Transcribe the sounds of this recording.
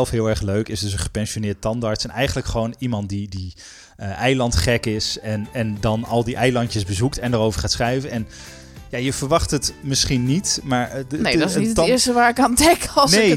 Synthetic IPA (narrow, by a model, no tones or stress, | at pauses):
ɛlˠfɦɪːlˠɛɹχløɥkɪsdɵs̬ənχə̥pɛnsʃonɪːɹt̚tɑndaːɹtsɛnɛjχənləkχəʋownimɑnt̚didi | ɛjlɑntχɛkɪsɛnɛndɑnɑlˠdiʔɛjlɑntjəzbəzuktɛndəɾowvəɹχaːtsχrɛjvənɛn | jaːjəv̥əɹʋɑχtətmɪsχinːitmaːɹnedsnitətɪːɹstəʋaːɹɪkantɛkˠnej